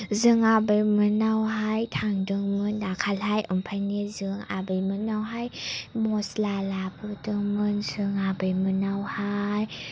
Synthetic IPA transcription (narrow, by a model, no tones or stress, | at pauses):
zɯŋabɯjmɯnːawɦajt̪ʰaŋdɯŋmɯndakʰalhajʔɔmpʰajniəzɯŋa̰bəjmɯnːawɦajmɔslalapʰɯdɯŋmɯnzɯŋabəjmɯnːawhaj